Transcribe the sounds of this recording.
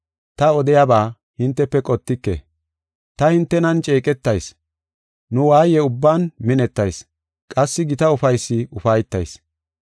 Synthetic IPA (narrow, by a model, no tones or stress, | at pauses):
t̪ɐɔd̪ɪjabaː | hɪnt̪ːɛpːɛkʼɔt̪ːɪkːḛ | t̪ɐhɪnt̪ːɛnɐnt͡ʃʼeːkʼɛt̪ːɐjs | nʊwaːjɛʊbːaːnmɪnɛt̪ːɐjs | kʼɐsːɪɡɪt̪ɐʊfɐjsːɪʊfɐjt̪ːɐ̰js